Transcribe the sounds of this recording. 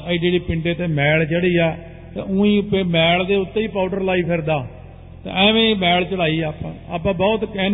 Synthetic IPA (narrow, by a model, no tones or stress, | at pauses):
iɖeːɽiːpɪɳɖeːt̪ẽːmɛːlt͡ʃəɽiːɛː | t̪ḛ̃ːʊ̃ːĩːʊpːeːmɛːɭd̪eːʊt̪ːẽiːpaːʈəɾlaːiːpʰɪɾd̪aː | t̪ã̰ːɛːʋẽːmɛːɭt͡ʃəɽaːiːɛːpã̰ːa̰ːpãːbɔːt̪kɛːn